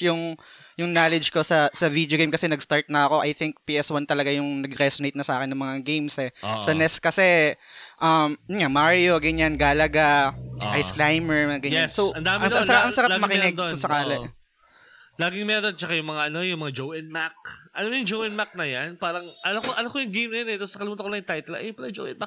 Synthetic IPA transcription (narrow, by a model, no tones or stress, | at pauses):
jʊŋjʊŋnalɛd͡ʒkosɐsɐvid̪joɡejmkɐsɛnɐɡst̪aɹt̪̚nɐɐko̞ʔɐjθɪŋk̚piʔɛswant̪ɐlɐɡajʊŋnɐɡɾɛsonejt̪nɐsɐʔaːkɪnːɐŋmɐŋaɡejmsɛsɐnɛskɐsɛʔɐmjʊnŋamaɹjo̞ɡɐɲanɡaːlɐɡaʔajsklajmɛɹɐɡɐɲɛassowɐnd̪aːmɪasɐaʔɐŋsɐat̪mɐkɪɛɡd̪oʊsɐkaːlɛ | laːɡɪŋmɐjʔɐnod̪̚t͡ʃɐkajʊŋmɐŋaʔɐno̞jʊŋmɐŋad͡ʒowɪnmak̚ʔɐlamojʊŋd͡ʒowɪnmak̚nɐjanpaːɾɐŋʔɐlokoʔɐnokojʊŋɡejmnɐjonɛt̪osɐkɐlɪmuːt̪ɐkonɐjʊnt̪ajt̪ɛljʊpɐlɐd͡ʒo̰wʔɪnmak̚